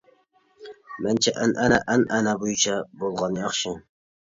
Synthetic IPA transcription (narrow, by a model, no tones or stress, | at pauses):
mænt͡ʃʰɛʔænʔænaʔænænabojʊt͡ʃʰabolˠʁɑnjɑχʃɪ